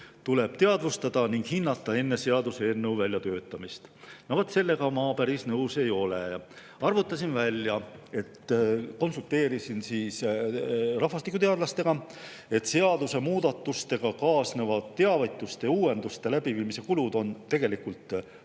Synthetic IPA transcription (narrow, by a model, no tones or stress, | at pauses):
t̪ule̞b̥t̪e̞ɑd̪̥vust̪ɑd̪̥ɑniŋɡ̥hinːɑt̪ːˑɑe̞nːe̞se̞ɑd̪useenːowvælʲjɑt̪ø̞ːt̪ːˑɑmist̪novot̪se̞lːe̞ɡɑmɑːpæɾisnɤwse̞jo̞lejɑ | ɑrvut̪ːˑɑsinvælʲjɑe̞t̪ːko̞nsult̪ːˑe̞ːɾisinsiːs | rɑɦfɑst̪ikut̪eɑd̪lɑst̪e̞ɡ̥ɑ | e̞t̪se̞ɑd̪̥use̞muːd̪̥ɑt̪ːˑust̪e̞ɡ̥ɑkɑːsnevɑd̪t̪ːeɑvet̪ˑːust̪e̞uːe̞nd̪ust̪e̞læb̥iviːmise̞kulud̪̥o̞nt̪e̞ɡ̥e̞likult̪